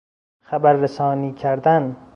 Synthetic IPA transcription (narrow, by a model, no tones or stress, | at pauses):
xæbæɾːesɒːniːcʰæɾd̪æn